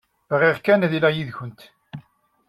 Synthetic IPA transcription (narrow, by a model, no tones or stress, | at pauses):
vʁiʁkænðilæjiðçʊnt̪